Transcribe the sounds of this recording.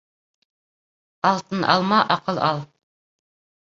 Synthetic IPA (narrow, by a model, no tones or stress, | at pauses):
ɑlˠt̪ɤnʔɑ̰lˠmɑʔɑqɤlˠɑlˠ